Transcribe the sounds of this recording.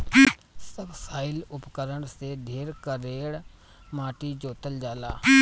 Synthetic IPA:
səbsaːɪlʊpkəɾəɳseːɖʱeːɾkəɾeːɽ | maːʈiːd͡ʒoːt̪əld͡ʒaːlaː

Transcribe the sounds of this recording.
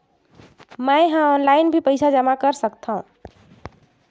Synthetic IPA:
majɦãɔnlajnbʱipəjsʰad͡ʒəmakəɾsəkt̪ʰaũ

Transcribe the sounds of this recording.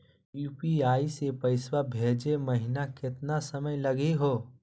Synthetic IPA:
juːpiaːisepəɪswabʱed͡ʒeməɦɪnakɪt̪nasəməjlɐɡeɦoː

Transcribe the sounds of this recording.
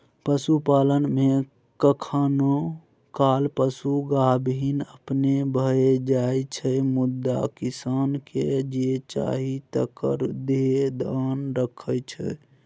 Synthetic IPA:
pəsupalənme | kəkʰano | kalpəsuɡabinəpnebʱəed͡ʒajt͡ʃʰəjmud̪ːa̰kisanked͡ʒet͡ʃa̰ɦit̪ə̰kə̰ɾd̪ed̪ʱanɾəkʰəjt͡ʃʰə̰

